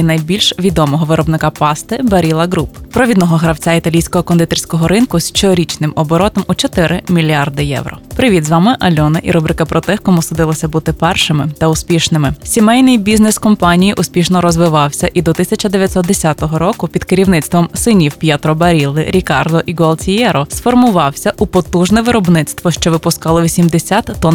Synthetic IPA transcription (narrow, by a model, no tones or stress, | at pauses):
inɐjbʲilʲʃʋʲid̪ɔmɔɦɔʋɪɾɔbnɪkɑpɑst̪ɪbɐɾʲilˠɐɡɾuppɾɔʋʲid̪nɔɦɔɦɾɐwt͡sʲait̪ɐlʲijsʲkɔɦɔkɔnd̪ɪt̪erʲsʲkɔɦɔɾɪnkʊst͡ʃɔɾʲit͡ʃnɪmɔbɔɾɔt̪ɔmut͡ʃɔt̪ɪɾʔɪmʲilʲiɑrd̪ɪjɛ̰wɾrɔ̰pɾɪʋʲid̪zʋɑmɪʔɐlʲɔnɪʔiɾɔbɾɪkɐpɾɔt̪ɛxkɔmusʊd̪ɪlˠɐsʲɐbut̪ɪpɛrʃɪmɪt̪ɐʊspʲiʃnɪmɪsʲimɛjnɪjbʲiznɛskɔmpɑnʲijiʔʊspʲiʃnɔɾɔzʋɪʋɑwsʲɐʔid̪ɔt̪ɪsʲɐt͡ʃɐd̪eʋʲjɐt̪ʲsɔt̪d̪esʲat̪ɔɦɔɾɔkʊpʲid̪kɪɾʲiwnɪt̪st̪ʋɔmsɪnʲiwpʲjɛt̪ɾɔbɐɾʲilˠːɪɾʲikɑrd̪ɔʔiɡɔɐlˠtʲijɛɾɔsfɔrmʊʋɑwsʲɐʔupɔt̪uʒnɛʋɪɾɔbnɪt̪st̪ʋɔʃt͡ʃɔʋɪpʊskɑlˠɔʋʲisʲimd̪esʲat̪ːɔ